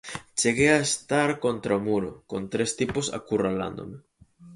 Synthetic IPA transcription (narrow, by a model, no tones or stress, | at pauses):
t͡ʃeɣeaest̪aɾkont̪ɾaomuɾʊkont̪ɾest̪iposa̰kurala̰nd̪o̰me